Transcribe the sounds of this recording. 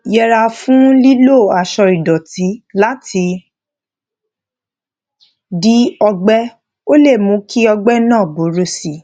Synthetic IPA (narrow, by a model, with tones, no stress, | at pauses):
jɛ˧ɾa˧fũ˦li˦lo˦˨a˨ʃɔ˧ɾi˨dɔ˨ti˨˦la˦ti˧ | di˦ɔ˧ɡ͡bɛ˦ | o˦le˦˨mũ˨˦ki˦ɔ˧ɡ͡bɛ˦nã˦˨bo˨˦ɾo˧˦si˨